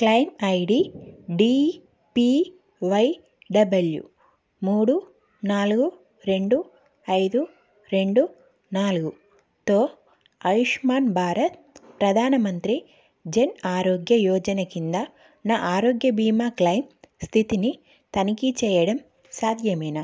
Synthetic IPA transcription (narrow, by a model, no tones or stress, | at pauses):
klɐjnɐjɽiɖiː | pi | ʋɐj | ɖɐbɐljṵ | muːɽu | naːluɡu | ɾe̞ɳɖu | ɐjd̪u | ɾe̞ɳɖu | naːluɡu | t̪o̞ː | ɐjuʂmaːnbʱaːɾɐt̪ | pɾɐd̪ʱaːnɐmɐnt̪ɾi | d͡ʒenaːɾoːɡjɐjɔːd͡ʒɐnɐkind̪a | naːʔaːɾoːɡjɐbiːmaːklɐjmst̪ʰit̪ini | t̪ɐnikit͡ʃɛːjɐɽɐm | saːd̪ʱjɐmɐjna